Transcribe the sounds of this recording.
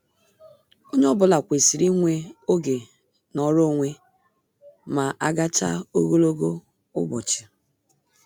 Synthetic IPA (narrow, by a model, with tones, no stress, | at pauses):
o˦ɲ˦ɔ˦bʊ˨la˨kʷe˨si˨ɾi˦ŋʷe˦o˦ɡe˨ | nɔ˨ɾo˦˨ŋʷe˦ | ma˨ʔa˦ɡa˦t͡ʃa̰˦o˦ɣo˦lo˦ɡo˦ | ʊ̰˦bɔ˨t͡ʃɪ̥˨